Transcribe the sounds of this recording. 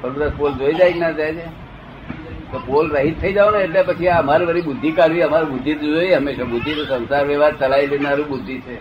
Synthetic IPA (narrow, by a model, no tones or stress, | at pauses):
kəɾɾəspold͡ʒoid͡ʒajknat̪ad͡ʒe | t̪opolɾəɦit̪ʰːəid͡ʒaoneːʈlepət͡ʃʰiaəmaɾiʋəɾibʊd̪ʱːikaɾʋiəmaɾibʊd̪ʱːit̪ud͡ʒojeɦəmːeʃabʊd̪ʱːit̪osə̃nsaɾʋɛʋaɾt͡ʃəlailenaɾũbʊd̪ʱːit͡ʃʰe